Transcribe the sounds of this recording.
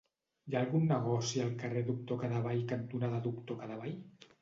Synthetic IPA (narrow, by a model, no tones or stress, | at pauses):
jaːlˠɣunːəɣ̞ɔsialˠkareðuk̚t̪okaðaβajkant̪unaðəðukt̪okaðaβaj